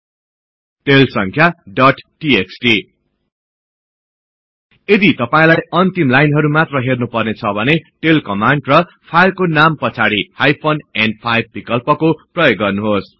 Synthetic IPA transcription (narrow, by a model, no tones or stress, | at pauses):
ʈelsʌŋkʰjaɖʌʈʈieksʈi | ed̪it̪ʌpaĩlajʌnt̪imlajnɦʌɾumat̪rʌɦernupʌrnet͡sʰʌbʱʌneʈelkʌmaɳɖrʌ | pʰajlkonampʌt͡sʰaɽihajpʰonenpʰajb̚bikʌlpʌkoprʌjoɡːʌrnuɦos